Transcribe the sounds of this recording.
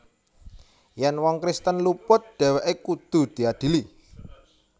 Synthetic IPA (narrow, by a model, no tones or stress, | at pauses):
jɛnwɔŋkɾist̪ənlupʊt̪̚ɖ̪̥ɛ̤wɛʔekud̪̥ṳd̪̥i̤ad̪̥i̤li